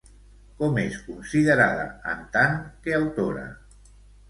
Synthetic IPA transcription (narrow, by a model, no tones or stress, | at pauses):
kɔmeskunsiðəɾaðə̰ə̰nt̪aŋkeawt̪oɾə̰